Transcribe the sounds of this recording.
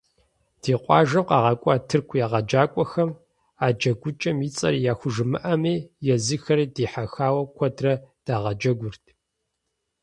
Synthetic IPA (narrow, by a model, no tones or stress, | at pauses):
d̥iːqʷʼɑ̰ːʒɐqɑːʁɐkʷʼɔːtʰɨrkʷʰjaːʁɐd͡ʒaːkʷʼɔxɐm | aːd͡ʒɐɡʷʊt͡ʃʼɐmjit͡sʼɐ̰ɾijaːxʷʊʒɨmɨ̰ʔɐmiːjɛzɨxɐɾiːdiːħaxaːwɐkʷʰɐdrɐd̥aːʁɐd͡ʒɐɡʷʊrtʰ